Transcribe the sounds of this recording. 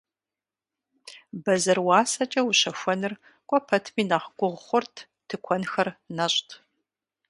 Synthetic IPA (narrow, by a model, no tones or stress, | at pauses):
bɐzɐrwɑːsɐt͡ʃʼɐwuɕɐxʷɔnɨr | kʷʼɔpʰɐtʰmiːnaχɡʷʊʁχʷʊrtʰ | tʰɨkʷʰɔnxɐrnɐɕʼtʰ